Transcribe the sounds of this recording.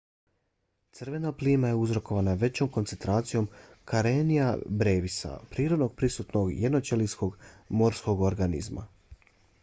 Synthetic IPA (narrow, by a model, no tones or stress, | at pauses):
t̪sr̩ʋe̞napliːmaje̞uzɾo̞ko̞ʋanaʋe̞t͡ɕo̞mko̞nt̪ent̪ɾaːt̪sijo̞mkaɾenijabɾeːʋisa̰pɾiːɾo̞d̪no̞ɡ̚pɾisut̪no̞ɡjed̪not͡ʃelisko̞ɡmo̞ɾsko̞ɡoɾɡanḭzma̰